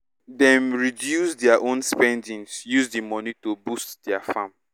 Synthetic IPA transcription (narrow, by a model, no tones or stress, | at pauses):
dɛ̃mɹidjusdɛaʔõnspɛ̃ndĩŋsjuzdimɔnitobustdɛafãm